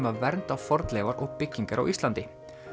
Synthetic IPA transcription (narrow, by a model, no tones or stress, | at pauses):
mavɛɾnt̪awfɔɾt̪lɛːvaɾʔʊpːʏcːɪŋkaɾʔa̰wʔɪst̪lant̪ɪ